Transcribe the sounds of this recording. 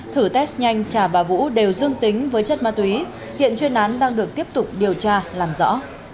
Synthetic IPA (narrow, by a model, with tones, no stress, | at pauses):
t̪ʰɨ˧˩t̪ɛ˦˥sɲa˧jŋ̟t͡ɕaː˧˩vaː˨˩vṵ˧˥ɗe˨˩wzɨ˧əŋt̪ï˨˦ŋ̟vəː˨˦jt͡ɕə˦˥t̚maː˧t̪wi˨˦ | hḭ˧˨ənt͡ɕwi˧ənʔaː˨˦nɗaː˧ŋɗɨ˨˩ək̚t̪i˦˥əp̚t̪ʊ˨˩k͡p̚ɗi˨˩əwt͡ɕaː˧laː˨˩mzɔ̰˧˥